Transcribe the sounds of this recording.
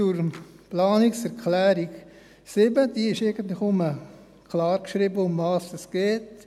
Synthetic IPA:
uɾplɑːnɪksɛɾkʰlɛːɾik | sɪbədiːɪʃeɡən̩t̪lɪxʊmə | kʰlɑːɾkʃɾiːbəʊmvɑːsd̥ɑsɡ̥eːt

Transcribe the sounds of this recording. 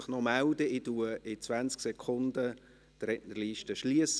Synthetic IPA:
χnɔmæld̪əɪtuəɪt͡sʋænt͡sksɛkʰχʊnd̪ə | t̪ɾɛtnəɾliːʃtəʃliəs

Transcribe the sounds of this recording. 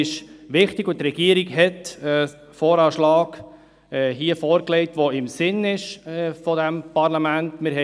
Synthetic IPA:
ɪʃʋɪχtɪɡʊt̪ɾɛɡ̥iəɾiɡɦɛtɛː | fɔːɾɑːʃlɑːɡ | ɦiːəfɔːɾklɛɪtʋɔɪmsɪnɪʃfɔdæmpɑɾlɑmæntmɪɾɦɛ

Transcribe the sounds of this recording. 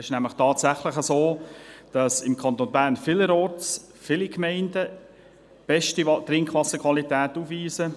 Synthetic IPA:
ɪʃnæmləχtʰɑːtsæχləχəsoːd̥ɑsɪmkʰɑnt̪onbæːɾnfɪləɾɔːts | fɪlikmɛɪndə | b̥ɛʃtitɾɪŋkχʋɑsːəkʰʋɑlitɛːtuːfʋiːsə

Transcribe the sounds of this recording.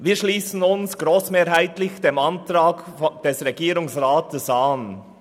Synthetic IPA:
viːʃliːsn̩ʊnsɡ̥ɾoːsmeːɾɦaɪtlɪçd̥eːmantɾaːɡd̥ɛsʁɛɡiːɾʊŋsʁaːtəsan

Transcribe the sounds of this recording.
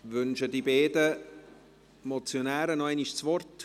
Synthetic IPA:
ʋʏnʃədibeːdə | mɔt͡sjonæːɾənɔaɪniʃt͡svɔrt

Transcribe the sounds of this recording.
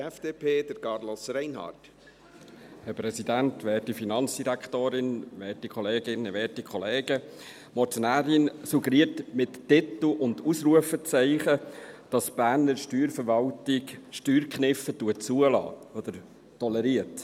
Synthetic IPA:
ɛfd̥eːpʰeːd̥əɾkɑɾlosrɛɪnɦɑ̰ːt | hɛɾpɾɛsidænt̪ʋɛːtifinɑnt͡sd̥iɾækχtoːɾɪnʋɛːtikʰχɔleːɡɪnːəʋɛːtikʰɔleːɡ̥ə | mɔtonæːɾɪnsuɡəɾiːətmɪtːɪt̪l̩ʊnduːsɾuəfət͡sɛɪχəd̥ɑsb̥æːɾnəɾʃtyːɾfəɾʋɑltɪkʃtyːɾkχnɪfətuət͡suəlɑ̰ːɔd̪əɾ | tɔlɛɾiət

